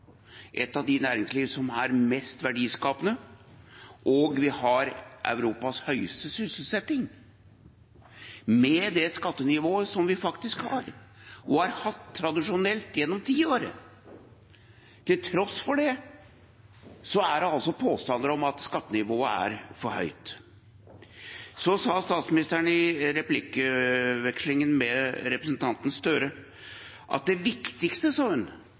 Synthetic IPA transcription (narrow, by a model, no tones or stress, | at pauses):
ʔɛt̪ːɑʋd̪ɪnæːɾɪŋsliːʋəsɔmæɾmɛst̪ʋæɖiːskɑːpənə | ʔɔɡʋɪhɑɾʔœ̰ʉɾuːpɑshœʏəst̪əsʏsl̩sɛt̪ːɪŋ | mɛd̪ɛskɑt̪ːənɪʋoːəsɔmʋɪfɑkt̪ɪskhɑ̰ɾɔhɑɾhɑt̪ʰːɾɑd̪ɪʂʊnɛlt̪jɛnːɔmt̪ʰiːoːɾə̰ | t̪ʰɪlt̪ʰɾɔsːfɔɖɛ | sɔæɾɛɑlsɔpʰoːst̪ɑnd̪əɾɔmɑt̪skɑt̪ːənɪʋoːəæ̰ɾfɔɾhœ̰ʏt̪ | sɔsɑːst̪ɑːt̪smɪnɪst̪əɾənɪɾɛplɪkəʋɛkslɪŋənmɛɾɛpɾəsnt̪ʰɑnt̪ən̩st̪øɾə | ʔɑ̰t̪̚d̪ɛʋɪkt̪ɪkst̪əsɑːhʉn